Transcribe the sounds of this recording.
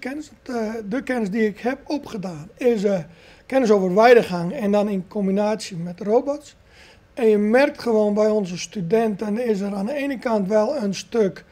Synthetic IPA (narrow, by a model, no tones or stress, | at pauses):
kɛnəsdəkɛnəsdiɪkhɛpopχədaːnɪsə | kɛnəs̬oːvərʋɛjdəχaŋɛndɔninkʰombinaːsjəmɛtrobots | ɛnjəmɛrk̚tχəʋoːnbɛjɔnzəstydɛntənɪs̬əɾaːndəeːnəkantʋɛlˠənstøk